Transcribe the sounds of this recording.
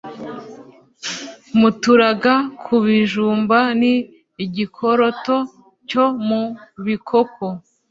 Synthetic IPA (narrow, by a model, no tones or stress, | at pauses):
mutuɾaɡakʰuβiʒuːmbaniː | ɟikʰoɾo̞to̞ | co̞muβikʰoko